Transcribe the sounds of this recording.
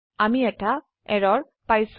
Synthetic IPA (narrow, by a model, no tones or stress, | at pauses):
amiɛta | ɛɹɔɹ | pajs